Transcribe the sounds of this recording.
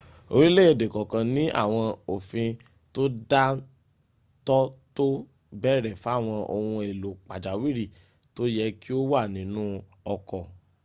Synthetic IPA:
o̰˧ɾi˦le˦e˦˨de˨kɔ˨kã˨nĩ˨˦ʔa̰˦˨w̃ɔ̃˧o˨fĩ˧ | to˦da˦ | tɔ˦to˦ | bɛ˦˨ɾɛ˨fa˦˨w̃ɔ̃˧ʔo˧hũ˧e˨lo˨k͡pa˨d͡ʒa˨wi˦ɾi˦˨ | to˦jɛ˧ki˦o˦wa˦˨nĩ˨˦nũ˦ɔ˧kɔ˨

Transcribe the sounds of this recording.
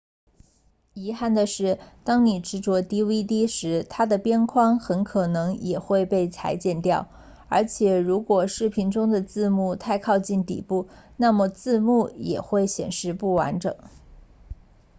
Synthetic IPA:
i˧˥xa˥˩nd̪ə˩ʂɻ̩˥˩t̪ɑ˥ŋni˨˩ʈ͡ʂɻ̩˥˩t͡swɔ˧˥t̪i˥wi˥t̪i˥ʂɻ̩˧˥t̪ʰa˥d̪ə˨pjɛ˥nkʰwɑ˥ŋxə˧˥nkʰɤ˨˩nɤ˧˥ŋjɛ˨˩xwe˥˧ɪpe˥˩ɪt͡sʰa̰˧˥ɪt͡ɕjɛ˥˧nt̪jɑ˥˩ʊ | ə˞˧˥t͡ɕʰjɛ˨˩ɻu˧˥kwɔ˨˩ʂɻ̩˥˩pʰi˧˥nʈ͡ʂʊ˥ŋd̪ə˨t͡sɹ̩˥˧mu˥˧t̪ʰa˥˧ɪkʰɑ˥˧ʊt͡ɕi˥˩nt̪ḭ˨˩pu˥˩ | na˥˩mə˩t͡sɹ̩˥˧mu˥˩jɛ̰˨˩xwe˥˩ɪɕjɛ̰˨˩nʂɻ̩˥˧pu˥˩wa̰˧˥nʈ͡ʂɤ̰˨˩˦ŋ

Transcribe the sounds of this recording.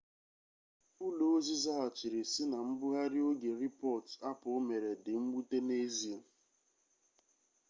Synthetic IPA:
ʊ˦lo˨o˦zi˦za˦a˨t͡ʃi˨ɾi˨sɪ˦na˨m̩˦bʊ˦ɣa˦ɾɪ˦o˦ɡe˨ɾi˦pɔ˦˨ta˦pʊ˨o˦me˨ɾe˨dɪ˨ŋ͡m̩˦ɡ͡bu˦te˦ne˦zi˦e˨

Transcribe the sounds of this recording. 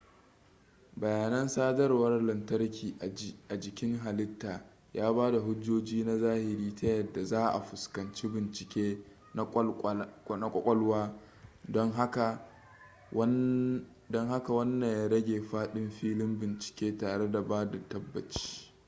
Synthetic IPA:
bɐ˨jaː˨nɐ˦nsaː˦dɐ˦rwɐ˦rlɐ˨ntɐ˦ɽkʲiː˨ʔʔa˨d͡ʒɪ˨kʲɪ˦ŋɦa˨lɪ˦tːaː˨ | jaː˦baː˦da˨ɦʊ˦d͡ʒːoː˦d͡ʒiː˦na˦zaː˦hɪ˨ɾiː˦tɐ˦jɐ˨dːa˨zaː˦ʔa̰˨ɸʊ˨skɐ˨nt͡ʃi˦bɪ˨nt͡ʃɪ˨kʲeː˦ | na˦kʷʼɔ˦kʷʼɔ˦lwaː˦ | dɔ˦ŋɦa˦ka˨˦ | dɔ˦ŋɦa˦ka˨wɐ˦nːɐ˨ɲjaː˦ɽɐ˦ɡʲeː˨ɸaː˦ɗɪ˦mɸiː˦lɪ˦mbɪ˨nt͡ʃɪ̥˨kʲeː˦taː˨ɽe˦da˨baː˦da˨tɐ˦bːɐ˨t͡ʃi̥ː˦

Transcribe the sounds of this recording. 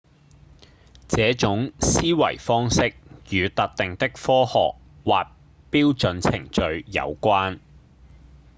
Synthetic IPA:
t͡sɛː˨˥t͡ʃʊ˨˥ŋsiː˥wɐ̰˨˩jfɔː˥ŋsɪ˥k̚jyː˨˧t̪ɐ˨k̚t̪ɪ˨ŋt̪ɪ˥k̚fɔː˥hɔ̰ː˨k̚waː˨t̚ | piː˥wt͡sɵ˨˧nt͡sʰɪ̰˨˩ŋt͡ʃɵ˨ɥjɐ̰˨˧wkʷaː˥n

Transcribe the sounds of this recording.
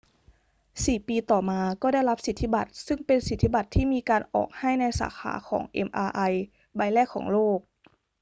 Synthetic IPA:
siː˨˩piː˧t̪ɔː˨˩maː˧kɔː˥˩da˥˩jla˦˥p̚si˨˩t̪ʰːi˦˥˩ba˨˩t̪̚sɯ˥˩ŋpe˧nsi˨˩t̪ʰːi˦˥ba˨˩t̪ʰːiː˥˩miː˧kaː˧nʔɔ̰ː˨˩k̚ha˥˩jna˧jsa̰ː˩˦xʰa̰ː˩˦kʰɔ̰ː˩˦ŋʔḛ˧mʔaː˧ʔa˧j | ba˧jlɛː˥˩kʰɔ̰ː˩˦ŋloː˥˩k̚

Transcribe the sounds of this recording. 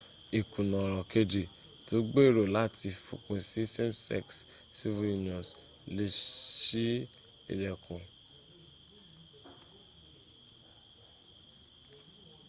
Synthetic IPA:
i˨kũ˨nɔ̃˨ɾɔ˨ke˧d͡ʒe˨ | to˨˦ɡ͡be˦˨ɾo˨la˦˨tʰi˧fṵ˨kũ˨si˦sɛ˦msɛ̰˦˨ks | si˦vu˦ju˦n˨ɔ̃˨s | le˧˦ʃi˦ | ḭ˨ɾɛ˨kũ˨

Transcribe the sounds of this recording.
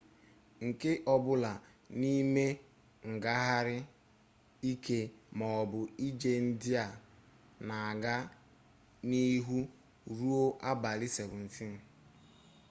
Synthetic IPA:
ŋ̩˨ke˦ʔɔ˨bʊ˦la˨ | ni˦me˦ | ŋ̩˨ɡa˦ɦa˦ɾɪ˦ | i˦ke˦mɔ˨ɔ˨bʊ˨i˦d͡ʒe˦n̩˦dɪ˦a˨ | na˨a˨ɡa˦ | ni˦ɦu˦ | ɾu˦o˦ʔa˦ba˨lɪ˦se˨ɾʊ˨n̩˨fi˦n̩˨

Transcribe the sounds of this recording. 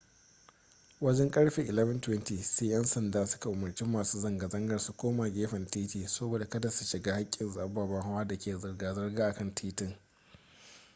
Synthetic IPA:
wɐ˦d͡ʒɛ˦ŋkʼɐ˦ɽɸeː˨ʔɪ˨lɛ˦vɐ˦ntwɛ˦ntiː˨seː˦jɐ˦nsɐ˨ndaː˦sʊ̥˦ka˨ʔʊ˨mɐ˨rt͡ʃi˦mːaː˨suː˦zɐ˨ŋɡa˨zɐ˦ŋɡɐ˨rsu˦kʷoː˦maː˨ɡʲeː˦ɸɐ˨ntiː˦tiː˨sɐ˦boː˨da˨kɐ˦da˨su̥˨ʃɪ˨ɡaː˦ha˦kʲʼːɪ˨nzaː˨˦baː˨ba˦ŋɦa˦waː˦da˨kʲeː˨zɐ˨rɡaː˨zɐ˦rɡaː˦ʔa˨kɐ˦ntʰiː˦tɪ˦˨ŋ

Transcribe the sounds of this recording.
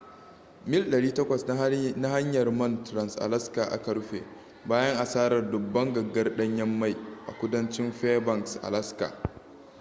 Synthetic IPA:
mɪ˦lɗɐ˨ɽiː˦tɐ˦kʷɐ˨sna˦ha˦ɲjɐ˨rmɐ˦˨ntɾɐ˨nsʔa̰˨lɐ˦ska˨ʔa̰˨kɐ˦ɽɸḛː˨ | baː˦jɐ˦ŋʔa˨saː˦ɾɐ˨rdʊ˨bːɐ˦ŋɡɐ˨ɡːɐ˦rɗɐ˦ɲjɐ˦mːa˦˨jʔa̰˨kʷʊ˦dɐ˦nt͡ʃɪ˦mɸeː˦bɐ˨ksʔa̰˨lɐ˦ska̰˨

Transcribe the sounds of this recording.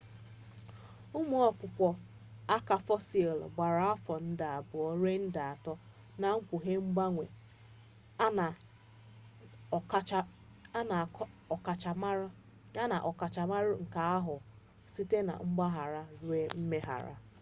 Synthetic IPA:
ʊ˦mʊ˦ɔ˦kʷʊ˨kʷɔ˨ | a˦ka˨fɔ˦si˨e˨l̰ɡ͡ba˨ɾa˨˦a˦fɔ˨n̩˦da˨a˨bʊ˨ɔ˦ɾe˦n̩˦da˨a˨tɔ˦ | na˨ŋ̩˦kʷu˨ɦe˦ŋ͡m̩˦ɡ͡ba˦ŋʷḛ˨˦˨ | na˨˦ɔ˨ka˨t͡ʃa˨m˦ɾ | ɲa˦na˨ʔɔ˨ka˨t͡ʃa˨ma˦ɾʊ˦ŋ̩˨ka˨a˦ɦʊ˨ | si˦te˦na̰˨ŋ͡m̩˦ɡ͡ba˦ɦa˨ɾa˦ɾe˦m̩˦me˦ɦa̰˨ɾa̰˦

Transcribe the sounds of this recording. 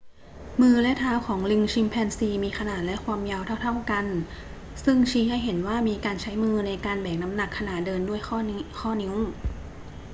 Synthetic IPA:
mɯː˧lɛ˦˥t̪ʰaː˦˥wkʰɔː˩˦ŋli˧ŋt͡ɕʰi˧mpʰɛː˧nsiː˧miː˧kʰa˧naː˨˩t̪̚lɛ˦˥ʔkʰwaː˧mjaː˧wt̪ʰa˥˩wt̪ʰa˥˩wka˧n | sɯ˥˩ŋt͡ɕʰiː˧˥ha˥˩jɦe˩˦nwaː˥˩miː˧kaː˧nt͡ɕʰa˦˥jmɯː˧na˧jkaː˧nbɛː˨˩k̚na˦˥mna˨˩kʰːa˧naː˨˩t̪̚dɤː˧ndu˥˩əjxɔː˥˩kʰɔː˥˩ni˧˦˥ŋ

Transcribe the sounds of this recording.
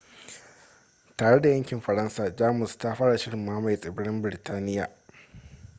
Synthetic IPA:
taː˨ɽe˦da˨jɐ˦ŋkʲɪ˨mɸɐ˨ɽɐ˦nsaː˨d͡ʒaː˦mʊ˨sta˦ɸaː˦ɽa˨ʃɪ˦ɽɪ˨mːaː˦ma˨jsʼɪ˨bɪ˦ɽɪ˦mbɪ˨ɾɪ˨tʰaː˦nɪ˦ja̰ː˨

